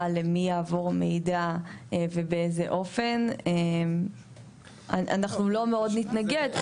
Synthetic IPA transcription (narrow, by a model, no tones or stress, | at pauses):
ale̞mijaːvo̞ʁme̞jdaevebeezḛʔo̞fe̞nem | aʔa̰naχnulo̞meo̞dnitnaɡe̞d